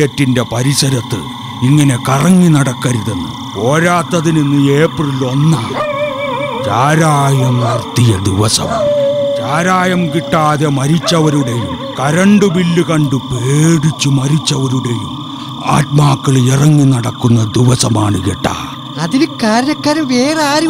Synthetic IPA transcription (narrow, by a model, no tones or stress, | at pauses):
ɐtːinde̞pɐɾisɐɾɐt̪ːɨ̰ | iŋːɐne̞kɐrɐŋːinɐɽɐkːɐɾiðenːṵ | oːɾaːt̪ːɐðininːɨjeːpːrilo̞nːaː | t͡ɕaːɾaːjɐmnɐrt̪ːijɐd̪iʋɐsɐ̰maːɳt͡ɕaːɾaːjɐmkiʈːaːðemɐɾit͡ɕːɐʋɐɾuɽe̞jum | kɐɾɐɳɖɨʋilːɨkɐɳɖɨpeːɽit͡ɕːumɐɾit͡ɕːɐʋɐɾuɽejum | a̰ːt̪̚maːkːɐɭirɐŋːinɐɽɐkːunːɐd̪iʋɐsɐmaːɳɨkiʈːa̰ː | ɐðinɨkaːɾɐjɐkːaːɾɐʋeːraːɾu